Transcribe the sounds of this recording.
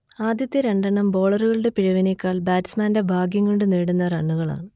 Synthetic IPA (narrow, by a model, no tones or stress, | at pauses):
aːd̪ʱjɐt̪ːjɐɾeɳɖɐɳɐmbo̞ːɭɐruɣɐɭɨɽe̞piɻɐʋinekːaːɭbaːtismaːnde̞bʱaːɡjɐŋːoɳɖɨneːɽunːɐrɐɳːuɣɐɭa̰ːɳɨ